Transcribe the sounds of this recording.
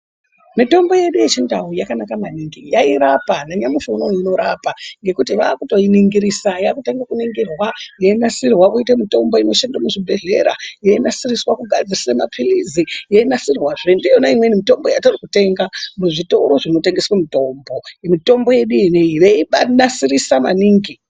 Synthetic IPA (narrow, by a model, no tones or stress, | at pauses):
mito̞mbo̞je̞ɗuje̞t͡ʃindawujakanakamaniŋɡijaiɾapanaɲamiʃonoino̞ɾapaŋɡe̞kutiʋaːkuto̞iniŋɡiɾisajakuteŋɡakuniŋɡirwajeinasirwakoitemito̞mbo̞ino̞ʃendamuʐibʱe̞ɮe̞ɾa̰jeinasiriswakuɡʱad͡zisisemapʰilizijeinasirwaʐendijonaimwenimito̞mbo̞ja̰torikute̞ŋɡamuʐito̞̰ɾo̞ʐino̞teŋɡeswemito̞ːmbo̞mito̞mbo̞je̞ɗuineiʋeiɓanasirisama̰niːŋɡi